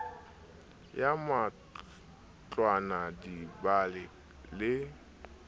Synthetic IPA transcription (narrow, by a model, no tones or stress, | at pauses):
jama | t͡ɬʼwanadibalɪ | lɪ